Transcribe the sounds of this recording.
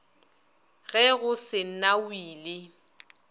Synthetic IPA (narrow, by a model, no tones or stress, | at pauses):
ɣɛɣʊsɪn̩nawiːlɪ